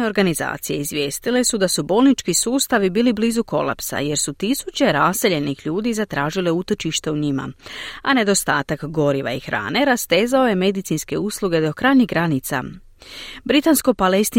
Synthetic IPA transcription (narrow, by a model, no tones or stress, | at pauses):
eo̞ɾɡaniza̰ːt̪sijeizʋʲje̞ːst̪ile̞sud̪asubo̞ːlˠnit͡ʃkisuːst̪aʋibiːlibliːzuko̞̰lˠa̰psa̰je̞ɾsut̪isut͡ɕe̞ɾase̞ʎe̞nixʎuːd̪izat̪ɾaːʒile̞ut̪o̞t͡ʃiʃt̪e̞uɲima̰ane̞d̪o̞st̪a̰ːt̪akɡo̞ɾiʋa̰ixɾa̰ːne̞ɾast̪e̞ːzao̞je̞me̞d̪it̪sinske̞uslˠuɡe̞d̪o̞kɾajɲiɦɡɾanit̪sa̰ | bɾit̪ansko̞pale̞st̪i